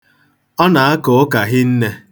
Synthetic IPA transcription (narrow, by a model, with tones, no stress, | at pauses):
ɔ˦na˨a˦kʊ˨ʊ˦ka˨ɦɪ˦n̩˦ne˦